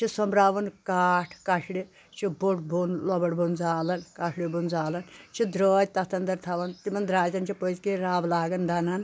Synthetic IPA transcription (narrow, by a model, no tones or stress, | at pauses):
t͡ʃʰisɔmbɾaːʋɐnkaːʈʰkɐʃɽi | t͡ʃʰiboʈbunlɔbɐʈbʱund͡zaːlɐnkɐʂʰɽibund͡zaːlɐnt͡ʃʰid̪ɾɔːd͡ʒ̚ʲt̪ɐt̪ʰɐnd̪ɐɾt̪ʰaʋɐnt̪imɐnd̪ɾaːzɐnt͡ʃʰipozkiɾaːblaːɡɐnd̪ɐnɐn